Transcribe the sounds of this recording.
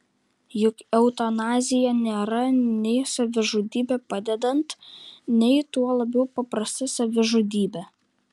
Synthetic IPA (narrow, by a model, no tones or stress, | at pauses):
jʊkɛʊt̪ɐnɑːzʲɪjɛnʲeːɾɐnʲɛɪsɐʋʲɪʒud̪ʲiːbʲɛpɑd̪ʲɛd̪ɐnt̪nʲɛɪt̪uɔlˠɐbʲɛʊpɐpɾɐsʲt̪ʲɪsɐʋʲɪʒud̪ʲiːbʲɛ